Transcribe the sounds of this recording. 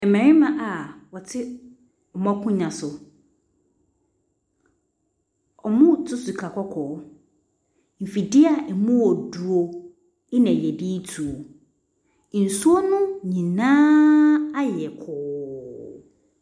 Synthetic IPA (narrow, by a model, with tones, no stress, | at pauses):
ɛ˨mɛ̃˨ɾɪ̃˦mã˨ʔa˨wɔ˨tʰɪ˦ | ɔ˨mɔ̃˦kʰʊ̃˦ɲã˨sʊ˨ | ɔ˨mʊ̃˦˨tʰʊ˦su˨kʰa˨kʰʷɔ˦kʰɔː˨˦ | m̩˨fi˨dɪ˦a˨ɛ˨mʊ̃˦ɔ˨du˨o˨ | ɪ˦nɛ̃˨jɛ˨di˦tʰu˨o˨ | n̩˨su˦o˦nʊ̃˦ɲĩ˨nãː˦a˦jɛ˨kʰɔː˨